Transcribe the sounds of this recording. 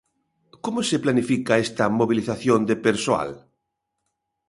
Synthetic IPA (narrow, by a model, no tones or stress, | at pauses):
komoseplanifikaest̪amoβ̞iliθaθjond̪epeɾsoa̰l